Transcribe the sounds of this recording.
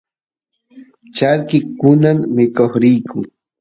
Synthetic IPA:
t͡ʃaɾkɪkʊnamːɪkoχɾɪjkʊŋ

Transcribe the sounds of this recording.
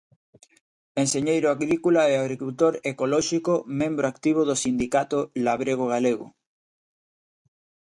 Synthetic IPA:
enseɲejɾoaɣɾikulaeaɣ̞ɾikult̪oɾekolɔʃikomẽmbɾoakt̪iβ̞oðosind̪ikat̪olaβɾeɣ̞oɣ̞aleɣo̰

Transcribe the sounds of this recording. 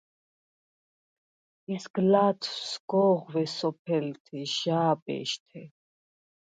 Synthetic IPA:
ɛsɡ̥laːt̪ʰsɡ̥ɔːʁvɛsɔpʰɛlt̪ʰɛʒaːpʼɛ̰ːʃt̪ʰɛ

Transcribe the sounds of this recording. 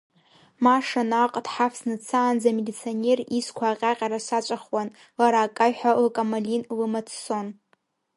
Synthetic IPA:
maʂanaqʼdħafsnɨt͡sʰaːnd͡zamelit͡sʰione̞riskʷʰaːqʲʼaqʲʼaɾaʃʷat͡ʃʷʼaχwan | laɾaːkʼajħʷalkʼamalinlɨmat͡sʰso̞n

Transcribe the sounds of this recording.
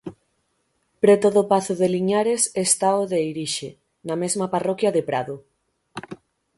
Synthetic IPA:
pɾet̪oðʊpaθoðeliɲaɾesest̪aoðejɾiʃe | namezmaparɔkjaðepɾa̰ðʊ

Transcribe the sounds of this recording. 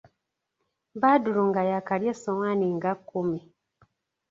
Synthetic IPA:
βaduluŋɡajakaljesomaniŋɡakːumi

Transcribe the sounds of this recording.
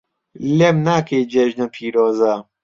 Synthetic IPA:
lemnakeːd͡ʒɛʒnɐpʰiːɾɔːza

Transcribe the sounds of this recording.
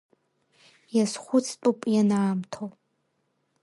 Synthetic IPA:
jasχʷʊt͡sʰtʼupʼjanaamtʰowpʼ

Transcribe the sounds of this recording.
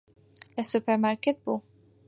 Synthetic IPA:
ɛsːʊpɛɾmɐɾkɪt̪̚bu

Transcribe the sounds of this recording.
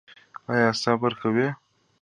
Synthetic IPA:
ɑjɑsɑbəɾkawe

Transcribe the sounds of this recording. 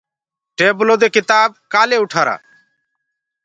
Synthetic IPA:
ʈeːbʊloːd̪ekɪt̪aːb̚kaːleʊʈʰaːɾa̰ː

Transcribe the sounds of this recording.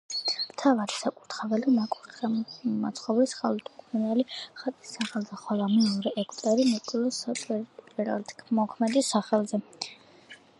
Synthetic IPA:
mt̪ʰavaɾisakʼuɾt̪ʰχɛvɛlimakʼuɾ | ma̰t̪sʰχɔblisχalut̪ʰʼukʼmunɛliχat̪ʼisːaχɛlˠzɛχwɛlˠamɛɔɾɛʔɛkʰʼt̪ʼɛɾinɛkʼilˠɔsatʼɛɾpʼɛɾa̰lt̪ʰkʰmɔkʰmɛd̪isaχɛlˠzɛ

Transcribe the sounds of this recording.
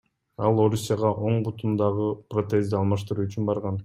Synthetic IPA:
ɑlˠo̞ɾusʲːijɑʁɑʔo̞ɴbut̪ʰund̪ɑʁɯprot̪ezd̪ɪɑlˠmɑʃt̪ɯɾuːyt͡ʃynbɑɾʁɑn

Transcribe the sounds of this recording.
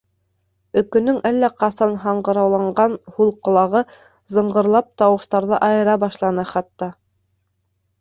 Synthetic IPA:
ɵ̆kɵ̆nɵŋʔælːæqɑsɑnɦɑɴɢɤ̆ɾɑwlˠɑɴɢɑnhulˠqŏlˠɑʁɤ | zɤ̆ɴɢɤ̆ɾlˠɑp̚t̪ɑwɤ̆ʃt̪ɑɾðɤʔɑjɤ̆ɾɑbɑʃlˠɑnɤχɑt̪ːɑ

